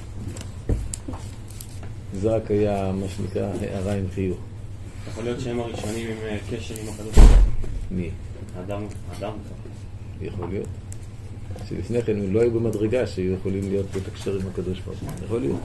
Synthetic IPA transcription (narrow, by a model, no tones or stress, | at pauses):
zeʁakajamaʃenḭkʁahḛʔaʁaimχijuχ | jeχolijo̞t̪t͡ʃeemaʁiʃo̞nimimkeʃeʁimakadotbalami | aːd̪amaːd̪amka | jeχo̞lijo̞̰t | ʃḛlifne̞χe̞nmlo̞ajubemadʁeɡaʃeajujeχo̞limlijo̞tletakʃeʁimhakad̪o̞ʃba̰ʁujeχolijo̰t